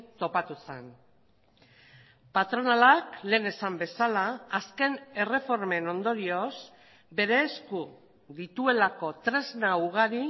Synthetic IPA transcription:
t̪o̞pat̪usen | pat̪ɾo̞nalakle̞ːne̞sambe̞salaːske̞ne̞re̞fo̞ɾme̞no̞nd̪o̞ɾio̞s | be̞ɾe̞ːsku | ðit̪ue̞lako̞t̪ɾe̞znauɣ̞aɾi

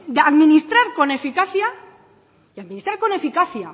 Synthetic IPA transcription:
d̪eaðminist̪ɾaɾko̞ne̞fikaθja | iaðminist̪ɾaɾko̞ne̞fikaθja̰

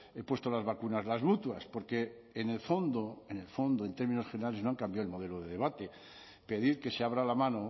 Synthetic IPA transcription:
e̞pwe̞st̪olazβakunazlazmut̪waspo̞ɾke̞ː | nelfo̞nd̪oene̞lfo̞nd̪oent̪e̞ɾminoχe̞neɾale̞znoaŋkambjaoelmo̞ð̞e̞loð̞e̞ðe̞β̞at̪e̞ | pe̞ð̞iɾke̞seaβ̞ɾalamãno

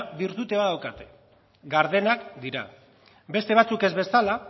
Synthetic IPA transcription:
biɾt̪ut̪e̞βaðawkat̪e̞̥ | ɡaɾð̞e̞nakd̪iɾa̰ | be̞st̪eat͡suke̞zβe̞sala

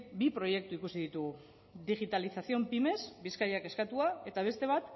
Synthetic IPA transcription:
bipɾo̞je̞k̚t̪uikusiðit̪uɣu | ðiɣit̪alisasio̞mpime̞sbiskajake̞skat̪uae̞t̪aβ̞e̞st̪e̞β̞at̪

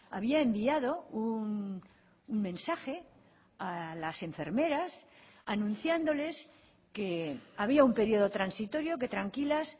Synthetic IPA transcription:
a̰βiaembiað̞o̞unː | ŋmẽ̞nsaxe̞ | alase̞ɱfe̞ɾme̞ɾas | anũn̟θjand̪o̞le̞s | keaβ̞iaumpe̞ɾio̞ð̞o̞t̪ɾansit̪o̞ɾjo̞ke̞t̪ɾaŋkilas

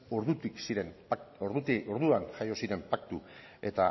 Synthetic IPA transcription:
oɾðut̪iksiɾemoɾðut̪ioɾðuanʝajo̞siɾe̞mpak̚t̪u | e̞t̪a̰

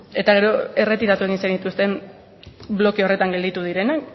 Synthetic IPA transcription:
e̞t̪aɣe̞ɾo̞e̞re̞t̪iɾat̪ue̞ɣ̞insanit̪ust̪e̞m | blo̞keo̞re̞t̪aŋɡe̞ld̪it̪uðiɾe̞nak

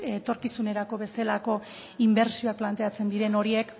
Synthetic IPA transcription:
et̪o̞ɾkisuneɾako̞βe̞selako̞ | imbe̞ɾsio̞ak̚plant̪e̞at͡se̞nd̪iɾe̞no̞ɾie̞k

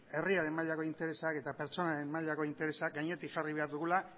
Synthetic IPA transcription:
e̞riaɾe̞maʎako̞int̪e̞ɾe̞sake̞t̪ape̞ɾt͡ʃo̞naɾe̞mmaʎako̞int̪e̞ɾe̞sak̚ɡajɲe̞t̪ikʝariβ̞e̞aɾðuɣula

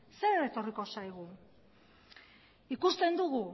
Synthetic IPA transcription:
se̞ɾet̪o̞riko̞sajɣ̞u | ikust̪e̞nd̪uɣu

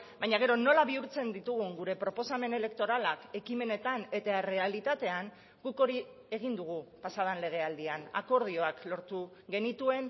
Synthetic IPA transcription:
bajɲaɣ̞e̞ɾo̞no̞laβiuɾt͡se̞nd̪it̪uɣ̞uŋɡuɾe̞pɾo̞po̞same̞ne̞le̞kt̪o̞ɾalake̞kime̞ne̞t̪ane̞t̪aere̞alit̪at̪e̞aŋ | ɡuko̞ɾi | e̞ɣ̞ind̪uɣ̞upasað̞anle̞ɣ̞e̞ald̪iana̰ko̞ɾð̞io̞aklo̞ɾt̪u | ɡe̞nit̪ue̞n

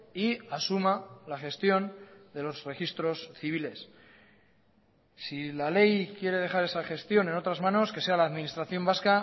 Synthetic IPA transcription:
iasumalaxe̞st̪jo̞nd̪e̞lo̞zre̞xist̪ɾo̞sθiβ̞ile̞s | ilale̞jkje̞ɾe̞ð̞e̞xaɾe̞saxe̞st̪jo̞ne̞no̞t̪ɾazmano̞ske̞se̞alaːðminist̪ɾaθjo̞mbaska

